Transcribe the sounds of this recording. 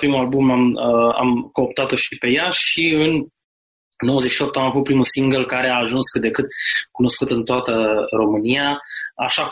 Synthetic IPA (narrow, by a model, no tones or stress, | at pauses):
pɾimulalbumama̰mko̞ːpt̪at̪o̞ʃipe̞jaʃiɨn | no̞wəzeʃiop̚t̪amavut̪pɾimusiŋɡəlkaɾe̞aːʒunskɨt̪̚d̪e̞kɨt̪̚kuno̞skut̪ɨnt̪oat̪əɾo̞mɨniaa̰ʃa